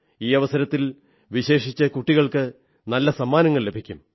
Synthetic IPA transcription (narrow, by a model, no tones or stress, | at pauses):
iːɐʋɐsɐɾɐt̪ːil | ʋiɕe̞ːʂit͡ɕːɐkuʈːiɣɐɭkɨ | nɐlːɐsɐmːaːnɐŋːɐɭle̞bʱikʲːum